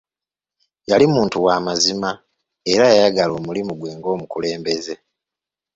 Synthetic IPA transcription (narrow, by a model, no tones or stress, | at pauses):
jalimuːntuwaːmazima | e̞ɾajajaɡalo̞ːmulimuɡweːŋɡo̞ːmukule̞ːmbe̞ze̞